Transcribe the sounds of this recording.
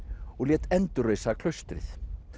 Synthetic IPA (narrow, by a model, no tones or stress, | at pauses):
ɔɣljɛːt̪ɛnt̪ʏɾrejsakʰlœɥst̪ɾɪ̰θ